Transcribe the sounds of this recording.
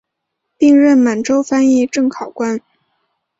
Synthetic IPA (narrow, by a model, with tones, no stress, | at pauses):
pi˥˧ŋɻə˥˩nma˨˩nʈ͡ʂo˥ʊfa˥ni˥˧ʈ͡ʂɤ˥˩ŋkʰɑ˨˩ʊkwa˥n